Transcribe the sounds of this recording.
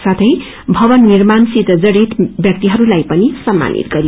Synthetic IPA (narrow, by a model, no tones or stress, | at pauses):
sat̪ʰʌj | bʱʌbʌnːirmansit̪d͡zʌɽit̪bjʌk̚t̪iɦʌɾulajpʌnisʌmːa̰nʔḭt̪ɡʌɾi